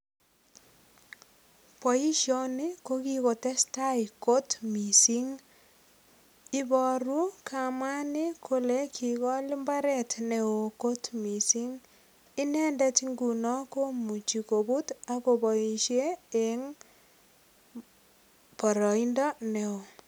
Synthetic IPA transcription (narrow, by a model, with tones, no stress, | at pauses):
pɔ˨i˦ʃjɔ˨ni˦ko˦ki˦ko˨tɛ˦sta˦iko˦tmi˨si˦ŋ | i˦bɔ˨ɾu˦kʰama˦ni˦kʰo˦le˦kʰi˨kɔ˦li˦mba˦ɾɛtneo˨ko˦tmi˨si˦ŋ | i˦nɛ˦ndɛ˦tiŋɡu˨nɔ˦ko˦mu˨t͡ʃi˨ko˨bu˦ta˦ko˨bɔ˨i˨ʃje˦e˨ŋ | pɔ˨ɾɔ˨i˦ndɔ˦ne˨o˨